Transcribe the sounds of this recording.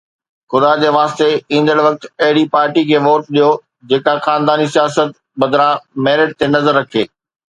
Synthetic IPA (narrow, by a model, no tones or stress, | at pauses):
xʊd̪ad͡ʑeːʋaːst̪eĩːnd̪əɽʋɐk̚t̪ɐɦɪɽipaːɾʈikʰeːʋoːʈɗijo | d͡ʑeːkaxaːnd̪aːnisijaːsət̪̚ | ɓɐd̪ʱɾãmɛːɾɪʈ̚t̪ʰenɐzəɾːɐkʰeː